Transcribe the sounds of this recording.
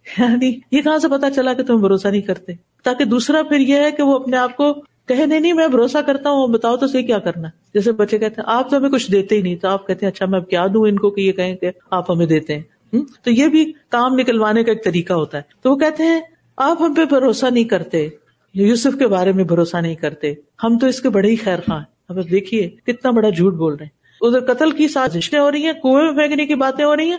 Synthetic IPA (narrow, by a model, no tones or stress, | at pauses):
jaːnijekɐɦãsepɐt̪at͡ʃɐlaket̪ʊmẽbʱɐɾoːsanɐɦĩkɐɾt̪e | t̪aːked̪uːsɾapʰɪɾjeɦɛkeʋoɐpneaːp̚ko | kɐɦẽnɐĩnɐĩmɛ̃bʱɐɾoːsakɐɾt̪aɦũbɐt̪aːot̪osɐɦikjaːkɐɾnaɛ | d͡ʒɛːs̬ebɐtːʃekɛɦt̪eɦɛ̃ʔaːp̚t̪oɦɐmẽkʊt͡ʃʰd̪eːt̪eɦinɐ̃ɦĩt̪oaːp̚kɛɦt̪eɦɛ̃ɐtːʃʰamɛ̃kjaːd̪ũːɪnkokejekɐɦẽke | aːpɦɐmẽd̪eːt̪eɦɛ̃ː | ɦt̪ojeːbʱikaːmnɪkəlʋaːnekaeːk̚t̪ɐɾiːkaɦoːt̪aɦɛːt̪oʋok̬ɛɦt̪eɦɛ̃ | aːpɦɐmpebʱɐɾoːsanɐɦĩkɐɾt̪e | juːsʊfkebaːɾemẽbʱɐɾoːsanɐɦĩkɐɾt̪e | hɐmt̪oɪskebɐɽeixɛːɾxãːɦɛ | ɐbap̚d̪eːkʰiekɪt̪nabɐɽad͡ʒʱuːʈ̚boːlnaɦɛ̃ː | ʊd̪əɾkɐt̪əlkisaːzɪʃnẽɦoːɾɐɦiɦɛ̃ːkoːefẽːknekibaːt̪ẽɦoːɾɐɦĩɦɛ̃ː